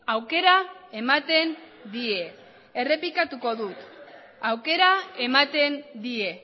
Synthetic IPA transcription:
awke̞ɾae̞mat̪e̞n | d̪ie̞ | ere̞pikat̪uko̞ðut̪ | awke̞ɾaemat̪e̞nd̪ie̞

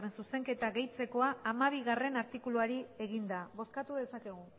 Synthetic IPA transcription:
rensuse̞ŋke̞t̪aɣe̞jt͡se̞ko̞aːmaβ̞iɣare̞naɾt̪ikuluaɾie̞ɣ̞ind̪aβo̞skat̪uðe̞sake̞ɣ̞u

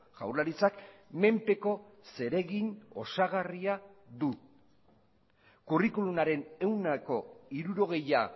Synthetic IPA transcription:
ʝa̰wɾlaɾit͡sakme̞mpe̞ko̞se̞ɾe̞ɣino̞̰saɣariaðu | kurikulumaɾe̞ne̞wnako̞iɾuɾo̞ɣ̞e̞ja

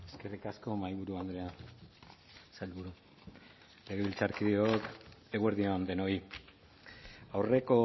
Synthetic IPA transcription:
e̞ske̞rikasko̞majβuɾuand̪ɾe̞an | salβuɾu | leɣeβilt͡saɾkiðiok̪eɣweɾðioand̪e̞no̞i | awre̞ko̞

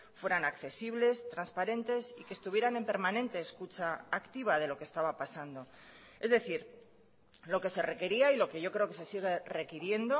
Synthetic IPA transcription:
fwe̞ɾanakθe̞siβle̞st̪ɾanspaɾe̞nt̪e̞sikeːst̪uβ̞je̞ɾane̞mpe̞ɾmanẽ̞nt̪e̞ːskut͡ʃaːkt̪iβ̞að̞e̞lo̞kest̪aβapasand̪o̞ | e̞zðe̞θiɾ | lo̞ke̞se̞re̞ke̞ɾiailo̞ke̞ʝo̞kɾe̞o̞ke̞se̞siɣ̞e̞re̞kiɾje̞nd̪o̞

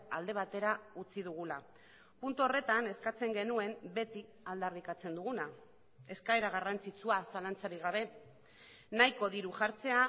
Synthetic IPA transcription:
ald̪e̞β̞at̪e̞ɾaut͡siðuɣ̞ula | punt̪uo̞re̞t̪ane̞skat͡se̞ŋɡe̞nue̞mbe̞t̪i | ald̪arikat͡se̞nd̪uɣ̞una | e̞skaeɾaɣ̞arant͡sit͡suasalant͡saɾiɣ̞aβ̞e̞ | najko̞ðiɾuʝaɾt͡se̞a

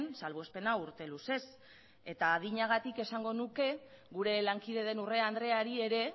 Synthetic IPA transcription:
nsalβoespe̞nauɾt̪e̞luse̞s | e̞t̪aːðiɲaɣat̪ike̞saŋɡo̞nuke̞ | ɣuɾe̞laŋkið̞e̞ð̞e̞nure̞and̪ɾe̞aɾie̞ɾe̞

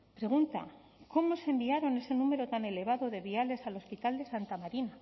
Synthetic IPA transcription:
pɾe̞ɣ̞unt̪a̰ | ko̞mo̞sembiaɾo̞ne̞se̞nume̞ɾo̞t̪ane̞le̞β̞aðo̞ðe̞βiale̞salo̞spit̪ald̪e̞sant̪amaɾina

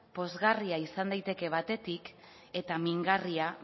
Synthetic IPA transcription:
po̞zɣariaisand̪ajt̪e̞ke̞β̞at̪e̞t̪ik | e̞t̪amiŋɡaria

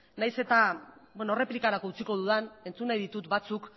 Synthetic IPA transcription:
najse̞t̪abweno̞re̞plikaɾakout͡siko̞ð̞uðane̞nt͡sunajðit̪ut̪bat͡suk

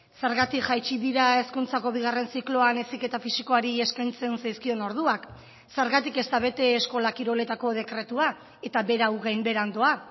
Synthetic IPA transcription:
se̞ɾɣat̪ikʝajt͡ʃiðiɾae̞skunt͡sako̞βiɣ̞are̞nsiklo̞anesike̞t̪afisiko̞aɾie̞skajnt͡se̞nsajskio̞no̞ɾð̞uak | se̞ɾɣat̪ike̞st̪aβe̞t̪e̞ːsko̞lakiɾo̞le̞t̪ako̞ð̞e̞kɾe̞t̪ua | e̞t̪aβe̞ɾawɣajmbe̞ɾand̪o̞a

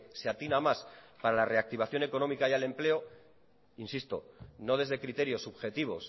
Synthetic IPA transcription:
seat̪inamaspaɾalare̞ak̚t̪iβ̞aθjo̞ne̞ko̞no̞mikajale̞mple̞o̞ | insist̪o̞̰no̞ð̞e̞zðe̞kɾit̪e̞ɾjo̞sːuβxe̞t̪iβ̞o̞̰s

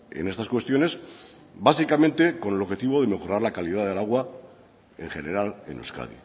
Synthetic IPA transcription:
ḛne̞st̪askwe̞st̪jo̞ne̞s | basikamẽ̞nt̪e̞ko̞neloxe̞t̪iβo̞ðe̞me̞xo̞ɾaɾlakaliðað̞elaɣwa | ẽŋxe̞ne̞ɾalḛnḛwska̰ð̞ḭ

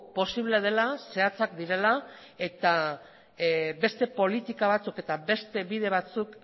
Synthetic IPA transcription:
po̞siβleð̞e̞lase̞at͡sakd̪iɾe̞la | e̞t̪a | be̞st̪e̞po̞lit̪ikaβ̞at͡suke̞t̪aβe̞st̪e̞βiðe̞β̞at͡suk

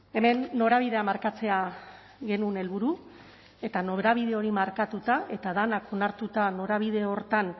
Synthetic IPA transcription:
e̞me̞nːo̞ɾaβiðe̞amaɾkat͡se̞a | ɣe̞nune̞lβuɾu | e̞t̪ano̞βɾaβ̞ið̞e̞o̞ɾimaɾkat̪ut̪aʔe̞t̪aðanako̞naɾt̪ut̪ano̞ɾaβ̞ið̞e̞o̞ɾt̪an

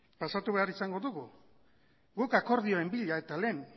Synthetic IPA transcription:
pasat̪uβe̞aɾisaŋɡo̞ðuɣu | ɡukako̞ɾðioe̞mbiʎae̞t̪ale̞ːn

